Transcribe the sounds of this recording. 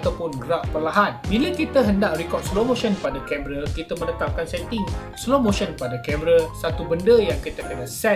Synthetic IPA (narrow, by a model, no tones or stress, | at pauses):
t̪awpʊnɡəɾaʔpərlaɦanbiləkit̪əɦəndaʔɾikɔr̚slomõʃənpadakɛməɾakit̪əmənət̪ap̚kansɛt̪ɪŋslomõʃənəpadakɛməɾasat̪ubəndəjaŋkit̪akənasɛ